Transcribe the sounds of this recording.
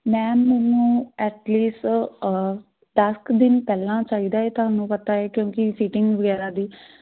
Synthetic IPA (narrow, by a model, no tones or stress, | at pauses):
mɛ̃ːmɛːnũːɛːʈliːsʈ | d̪əskd̪ɪnpɛːlãːt͡ʃaːiːd̪aːeːt̪ʊɦaːnũːpət̪aːɛːkjõːkɪsiːʈɪŋɡʋəɡɛːɾaːd̪iː